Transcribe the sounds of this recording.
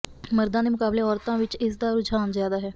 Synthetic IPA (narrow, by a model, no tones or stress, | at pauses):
məɾd̪ãːd̪eːmʊkaːbleːɔːɾt̪ãːʋɪt͡ʃɪsd̪aːɾʊd͡ʒʱaːnzjaːd̪aːɦɛː